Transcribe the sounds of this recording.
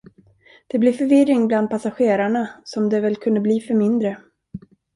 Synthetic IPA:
d̪̥ɛblɪɾfœɾvɪɾːɪŋbland̪̚pʰasaɧeːɾaɳasɔmd̪ɛvɛlkʰɵnd̪əbliːfœɾmɪnd̪ɾə

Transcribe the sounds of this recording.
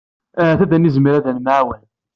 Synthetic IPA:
θæðænizmiɾæðænmʕawən

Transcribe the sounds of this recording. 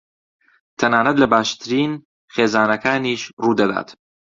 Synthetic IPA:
t̪ʰænaːnæd̪lebaːʃt̪ʰɾiːn | xeːzaːnækʰaːniːʃɾuːd̪æd̪a̰ːd̪̥

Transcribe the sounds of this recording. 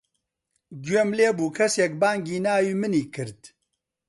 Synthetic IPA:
ɡwemleːbuːkʰɐsjɛk̚baːŋɡiːnaːwiːmɨniːkʰɨɾt̪

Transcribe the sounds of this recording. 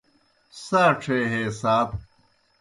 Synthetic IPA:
saːʈ͡ʂʰeːɦeːsaːb

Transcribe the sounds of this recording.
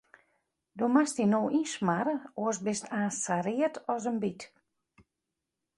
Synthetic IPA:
domastinoːʔinsmaɾəoəsbɪstʰaːsaɾɪətɔs̬ənbit

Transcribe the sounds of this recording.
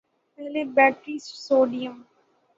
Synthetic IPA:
ɛlebæːʈɾissoːɖijə̃m

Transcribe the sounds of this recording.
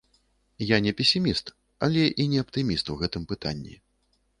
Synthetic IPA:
janʲɛpʲɛsʲimʲist̪ | ɐ̰lʲɛʔinʲɛɐpt̪ɨmʲist̪uwɣɛt̪ɨmpɨt̪a̰nʲːḭ

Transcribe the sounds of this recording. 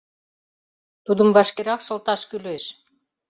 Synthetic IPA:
t̪ud̪ə̆mvɑʃkeɾɑkʃɤ̆lt̪ɑʃkyleʃ

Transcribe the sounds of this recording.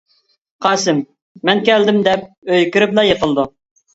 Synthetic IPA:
qʰɑːsɪmː | ɛnkʲɛld̪ɪmd̪ɛp̚øjkʲyɾɪblˠɑjəqəlˠd̪u

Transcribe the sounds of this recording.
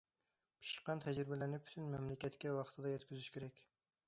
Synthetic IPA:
pʰi̥ʃə̥qːɑnt̪ʰɛd͡ʒɾɪbɛlæɾnɪpʰy̥t̪ʰynmɛmlɪkʲɛt̪kʲɛwɑqʰə̥t̪ʰɨd̪ɑjɛt̪kʲʰyzyʃkʲʰeɾɛkʲ

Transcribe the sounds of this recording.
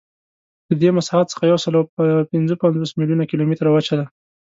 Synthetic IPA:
d̪̥əd̪emasɑɦat̪sə̥xajawsəlawpɪnzəpand͡zosmiljunakilomit̪ɾawat͡ʃad̪a

